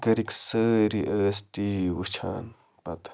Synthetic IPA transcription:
ɡɐɾiksəːɾiʔəːsʈiwɨt͡ʃʰa̰ːn | pɐt̪

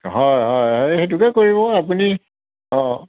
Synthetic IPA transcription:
ɦɔjɦɔjɦɔjxet̬ukɛkoɹibɔapuni | ɔ̃

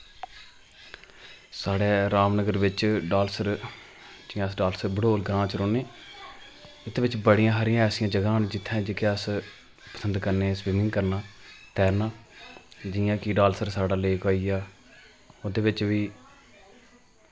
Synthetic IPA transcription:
saːɽeːɾaːmnəɡəɾʋɪt͡ʃɖaːlsəɾ | d͡ʒɪjãːəsɖaːlsəɾbəɽoːlɡɾãːt͡ʃɾoːneː | ɪt̪eːʋɪt͡ʃbəɽɪjãːɦəɾɪjãːɛːsɪjãːd͡ʒəɡãːnd͡ʒɪt̪ʰːãd͡ʒekeəs | pə̥sə̃nd̪kəɾneːsbɪmɪ̃ŋɡkəɾnaːt̪ɛːɾnaː | d͡ʒɪjãːkiːɖaːlsəɾsaːɽaːleːkoːiːaː | oːd̪eːʋɪt͡ʃʋiː

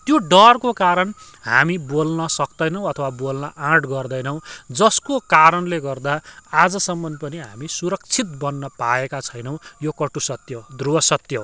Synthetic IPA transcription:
t̪joɖʌrkokaɾʌn | ɦa̰mibolnʌsʌkd̪ʌjnʌw̃ʌt̪ʰʌwabolnʌʔãʈɡʌrd̪ʌjnʌw̃d͡zʌskokaɾʌnleɡʌrd̪aad͡zʌsʌmːʌnpʌniɦa̰misuɾʌk̚t͡sʰit̪̚bʌnːʌpaekat͡sʰʌjnʌw̃jokʌʈusʌt̪jʌd̪ruwʌsʌt̪jʌw

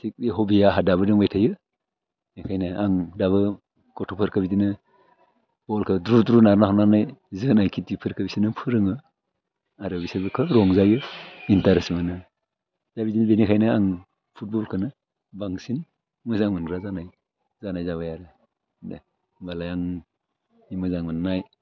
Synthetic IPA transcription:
sik̚beɦɔbijaɦadaβɯdɯŋbajtʰajɯ | nikʰajnɯaŋdaβɯ | ɡ̥ɔtʰɔpʰɯɾkʰɯbidinɯ | bɔlkʰɯdɾudɾunaɾnaɦananajzɯnajkʰitipʰɯɾkʰɯbisinɯpʰɯɾɯŋɯ | aɾɯbisibɯkʰɯɾɔŋzajɯintaɾesmanɯ | d̥abidinbenikʰajnɯaŋ | pʰut̚bɔlkʰɯnɯ | baŋsin | mɯzaŋmɯnkʰɾazanaj | zanajzaβajaɾɯ | balajaŋ | imɯzaŋmɯnnaj

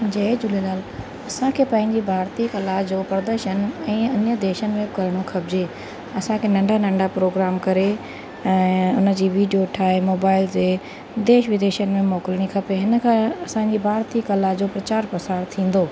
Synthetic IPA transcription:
d͡ʑɐd͡ʑʊlelaːl | ɐsãkʰeːpɐ̃ɦɪ̃ɲd͡ʑibʱaːɾt̪ikɐlad͡ʑoːpɾɐd̪əɾʃənɛ̃ːɐnəd̪eːʃənɪ̆mẽkɐɾɽ̃okʰɐbd͡ʑeː | ɐsãkʰeːnɐ̃ɳɖanɐ̃ɳɖapɾoːɡɾaːmkɐɾe | ɛ̃ːʊnəd͡ʑiːʋiːɖijoʈʰaːemoːbaːɪld͡ʑeː | d̪eːʃʋɪd̪eːʃənɪ̆mẽmɔːkɪlɽ̃ikʰɐpeɦɪnəkʰãɐsãɲd͡ʑibʱaːɾt̪ikɐlaɦd͡ʑoːpɾɐt͡ɕaːɾpɐsaːɾt̪ʰĩːn̆d̪oː

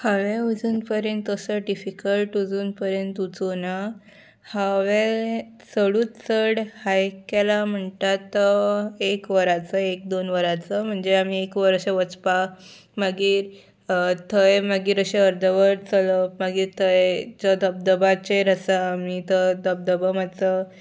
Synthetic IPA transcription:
haʋẽud͡zuːnpəɾjənt̪əsəɖifikəlʈud͡zuːnpəɾjənt̪ut͡sona | haʋẽ | səɽuːtt͡səɽhajkalam̤əɳt̪at̪əekʋəɾat͡səek̚d̪onʋəɾat͡səm̤əɳd͡zeamiekʋəɾəɕẽʋət͡spa | məɡiːɾ | t̪ʰəjməɡiːɾəɕeəɾd̪ʱəʋəɾt͡sələmaɡiːɾt̪ʰəjd͡ʑəd̪ʱəb̚d̪əbat͡ɕeɾəsaamit̪əd̪ʱəb̚d̪əbəmat͡sə

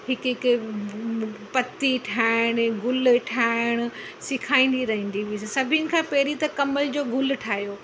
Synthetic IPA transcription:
ɦɪkk | pɐt̪iʈʰaːɪɽ̃ɡʊlʈʰaːɪɽ̃ʊ̆ | sɪkʰaːĩːn̆d̪iɾɐɦĩːn̆d̪iʋiːssɐbʱinɪ̆kʰãːpɛːɾit̪ɐkɐməld͡ʑoːɡʊlʈʰaːɦijoː

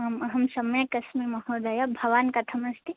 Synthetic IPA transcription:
mɦɐmsɐmɐjəkɐsmimɐɦoːd̪ajabʱɐʋaːnkɐt̪ʰɐmɐst̪i

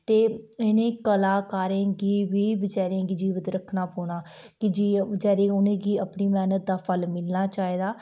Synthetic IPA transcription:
t̪eːɪnẽːkəlaːkaːɾẽːɡiːʋiːbət͡ʃaːɾẽːɡid͡ʒiːʋət̪ɾəkʰnaːpoːnaː | kɪd͡ʒiːəd͡ʒɛːɾẽːʊnẽːɡiːəpniːmɛːnət̪̚d̪aːpʰəlmɪlnaːt͡ʃaːiːd̪aː

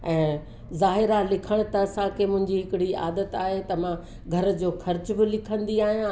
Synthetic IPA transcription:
ɛ̃ː | zaːɦɪɾalɪkʰəɽ̃̆t̪ɐɐsãkʰemʊ̃ɦɪ̃ɲd͡ʑiɦɪkɪɽia̰ːd̪ət̪aːɦet̪ɐʋ̤ã | ɡʱɐɾ̆d͡ʑoːxɐɾt͡ɕ̆bɪlɪkʰə̃nd̪iaːɦijã

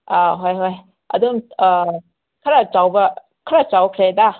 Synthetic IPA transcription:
aɦojɦoj | ɐ̰duŋ | kʰaɾat͡ʃawbɐ | kʰaɾat͡ʃawkʰɾeda

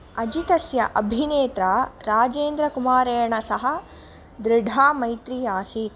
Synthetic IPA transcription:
ɐd͡ʒit̪ɐsjɐ̰ʔɐbʱineːt̪ɾaɾaːd͡ʒeːnd̪ɾɐkumaːɾeːjɐɳɐsɐɦɐ̆ | d̪ɾɪɖʱaːmɐjt̪ɾiːaːsit̪

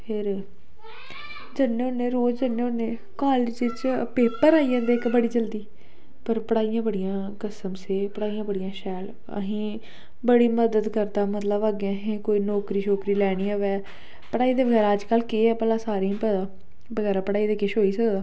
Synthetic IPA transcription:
pʰɪɾ | d͡ʒənːeːʊnːeːɾoːd͡ʒd͡ʒənːeːʊnːeː | kaːlɪd͡ʒɪt͡ʃpeːpəɾaːiːãːd̪eːkbəɽiːd͡ʒəld̪iː | pəɾpəɽaːijãːbəɽijãː | kəsəmseːpəɽaːijãːbəɽijãːʃɛːl | ə̰ɦĩː | bəɽiːməd̪əd̪kəɾd̪aːmət̪ləbaːɡeãɦẽːkoːiːnɔːkɾiːʃʰoːkɾiːlɛːɽ̃iːãʋɛː | pəɽaːiːd̪eːʋəɡɛːɾaːəd͡ʒkəlkeːɛːpəːlaːsaːɾeĩpɛd̪aː | bəɡɛːɾaːpəɽaːiːd̪eːkɪʃɦoːiːsəkd̪aː

